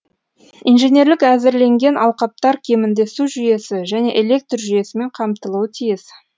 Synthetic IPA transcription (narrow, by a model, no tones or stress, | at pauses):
ijnʒenʲe̞ɾlɪkæzɪɾle̞ŋɡʲe̞nʔɑlˠqɑp̚t̪ɑɾkʲʰe̞mɪnd̪e̞suʒʏje̞sɪʒæne̞ʔele̞k̚t̪rʒʏje̞sɪme̞ɴqʰɑmt̪əlˠuwət̪ʰijɪs